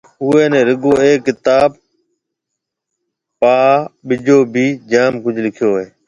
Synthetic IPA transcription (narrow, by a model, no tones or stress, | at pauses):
ʊeːnẽːɾɪɡoːeːkːɪt̪aːb̚ | paːɓɪd͡ʒoːbʱiːd͡ʒaːmkʊd͡ʒʱlɪkʰjoːeː